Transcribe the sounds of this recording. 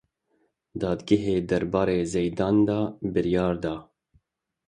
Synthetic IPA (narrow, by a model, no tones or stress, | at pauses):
d̪ɑːd̪ɡɪɦeːd̪ɛɾbɑːɾeːzejd̪ɑːnd̪ɑːbɨɾijɑːɾd̪ɑː